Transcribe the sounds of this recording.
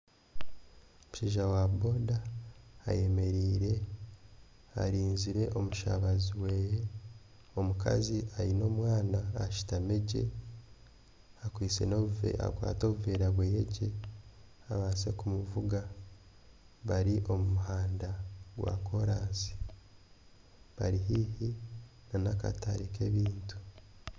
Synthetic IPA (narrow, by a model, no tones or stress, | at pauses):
omuʃiːʒawabo̞ːda̰ː | je̞me̞ɾiːɾe̞ | a̰ɾiːnziɾe̞ʔo̞muʃa̰βaziweːje | o̞muka̰ziʔaɾino̞ːmwaːnaːʃi̥tame̞ɟe̞̰ | akwiːt͡se̞̰no̞βuvḛa̰kwa̰ːto̞ːβuveːɾaɡwejeɟe̞ | aβaːse̞kumuvuɡa | βaɾiʔo̞mumuɦaːndaɡwa̰ko̞ɾaːzi̥ | βaɾiɦiːhinanaka̰taɾike̞βiːntu̥